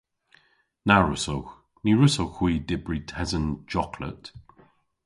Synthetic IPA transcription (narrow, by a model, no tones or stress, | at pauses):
naɹʊsowx | niɹʊsowxw̥iːdɪbɹitʰɛzənd͡ʒɔkʰlə̰t